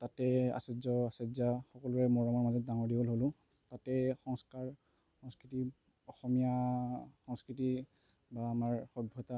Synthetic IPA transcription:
tatɛa̰sezɔasezaxɔkɔlʊɹɛmɔɹamaɹmazɔt̚daŋɔɹdibolɦolʊ̃ | tatɛxɔŋskaɹ | xɔŋskiti | ɔxɔmijaxɔŋskɹiti | baːmaɹxɔbʱɔta

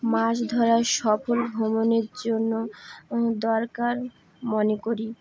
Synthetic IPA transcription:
maʃd̪ʱɔɾaʃɔpolɡʱɔmoneɾd͡ʑonːo | d̪ɔɾkaɾ | monekoɾi

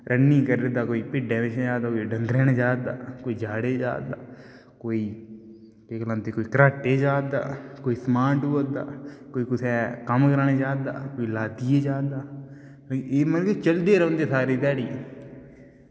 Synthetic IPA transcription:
ɾʔənːĩːkəɾɾd̪aːkoːiːpɪɖẽːʋɪt͡ʃːd͡ʒaːd̪aːkoːiɖəŋɡɾɛːned͡ʒaːd̪a̰ːkoːiːd͡ʒaːɽeːd͡ʒa̰ːd̪a̰ː | koːiː | keklə̃nt̪eːkoːiːkəɾaːʈeːd͡ʒaːd̪a̰ːkoːiːsmaːʈboːld̪a̰ːkoːiːkʊsʰɛːkəmkəɾneːd͡ʒaːd̪a̰ːkoːiːlaːd̪ijeːd͡ʒaːd̪aː | eːmənkt͡ʃəld̪eːɾə̃ʊ̃ːnd̪eːsaːɾet̪ɛːɽi

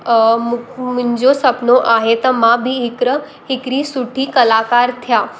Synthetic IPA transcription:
mmũɲd͡ʑosɐpnoʔaɦet̪əmãbʱiɦɪkɾə | ɦɪkɾisuʈʰikəlaːkaːɾt̪ʰjaː

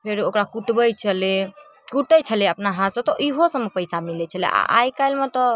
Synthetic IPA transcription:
pʰeɾokɾakuʈbəjt͡ʃʰəle | kuʈəjt͡ʃʰəleəpnaɦãt̪sə̃t̪ɔʔiɦosə̃mepəjsamilɛt͡ʃʰəlḛʔa̰ʔa̰jkajlmet̪ɔ

